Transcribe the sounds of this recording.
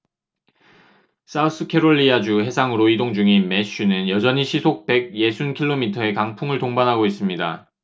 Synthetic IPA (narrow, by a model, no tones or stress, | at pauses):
s͈aus͈ʰɯkʰe̞ɾoʎːiad͡ʑuhe̞sʰaŋɯɾoidoŋd͡ʑuŋinmeɕ͈ʰinɯnjʌd͡ʑʌɲiɕʰisʰok̚pe̞ɡ̚je̞sʰunkʰiɭːomitʰʌe̞kaŋpʰuŋɯɭtoŋbanɦaɡois͈ɯmɲida̰